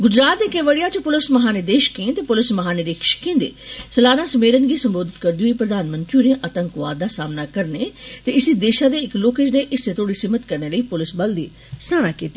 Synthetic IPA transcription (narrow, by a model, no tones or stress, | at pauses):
ɡʊd͡ʒɾaːt̪̚d̪ekeʋəɽijaːt͡ʃəpʊlɪsməɦaːneːd̪eːʃkẽːt̪eːpʊlɪsməɦaːneːɾeːkʰʃə̥kẽːnd̪ḛːsəlaːnaːsəmeːlənɡiːsəmboːd̪ɪt̪kəɾd̪iɦoiːpɾəd̪aːnmə̃nt̪ɾiuneʔət̪əŋkʋaːd̪ːaːsaːmnakəɾneːt̪eɪsid̪eːʃaːd̪eːɪkloːkeːd͡ʒneʔɪsd̪eːt̪ʰoːɽiːsɪmːət̪kəɾneːləiːpʊlɪsbəld̪iː | snaːɽ̃aːkiːt̪ːiː